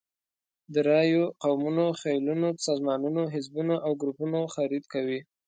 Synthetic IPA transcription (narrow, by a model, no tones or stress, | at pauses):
d̪əɾɑjoqawmunoxajlunosɑzmɑnunoɦɪzbunaʔawɡɾupunoxaɾid̪kawi